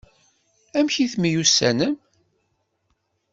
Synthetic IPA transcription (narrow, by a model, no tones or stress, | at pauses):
æmçiθmijusːæ̰nəm